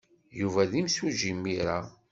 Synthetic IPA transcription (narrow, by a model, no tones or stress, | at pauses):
juvæðimsuʒimːiɾa